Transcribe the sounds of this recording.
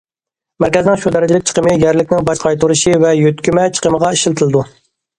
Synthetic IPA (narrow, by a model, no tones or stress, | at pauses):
mæɾkʲɛzɪnɪŋʃud̪ɛɾɪd͡ʒɪlɪk̚ʲt͡ʃʰə̥qʰəmɨjɛɾlɪkʲnɪŋbɑʃqʰɑjt̪ʰuɾɨʃivɛjøt̪kʲymɛt͡ʃʰə̥qʰəməʁɑiʃilt̪ʰɨlˠɨd̪u